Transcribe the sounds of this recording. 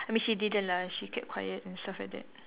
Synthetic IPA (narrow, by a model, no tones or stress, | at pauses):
ajmĩnʃididə̃nlaʃikʰɛp̚kʰwa̰jətɛ̃nstaflajk̚dɛ̰t̚